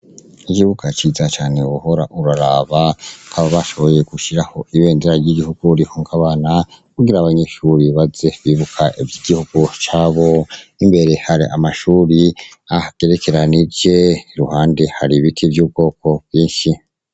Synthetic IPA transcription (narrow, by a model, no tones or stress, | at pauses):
ikiβukʰat͡ʃiːzat͡ʃaːne̞wuho̞ɾa̰ʔuɾaɾaːβakaβaβaʃo̞βo̞je̞kuʃiɾaho̞ʔiβe̞ːndeɾaɾɟiɡihuɡ̥uɾihoŋkaβaːnakuɡiɾaːβaɲe̞ʃuːɾiβaze̞βiːβukʰaʔivjiɡ̥ihuɡ̥ut͡ʃaːβo̞imbe̞ɾe̞haɾiʔa̰maʃuːɾiahaɡ̥e̞ɾe̞ke̞ɾaniɾd͡ʒe̞ɾuhaːnde̞haɾiβitʰivjuːb̚ɡo̞ːko̞bjiːnʃi